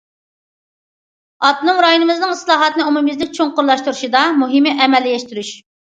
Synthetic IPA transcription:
ɑt̪nɨŋɾɑjunɨmɨznɨŋislˠɑːɦɑt̪ɨnɨumumɨzlɪk̚ʲt͡ʃʰoŋqʊɾlˠɑʃt̪uɾuʃid̪ɑmuɦɨmɪʔɛmɛlːɪjɛʃt̪yɾyʃ

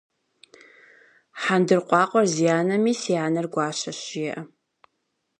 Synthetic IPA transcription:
ħandɨrqʷʼɑːqʷʼɔrzijaːnɐmiːsijaːnɐrɡʷɑːɕɐɕɪjɛʔɐ

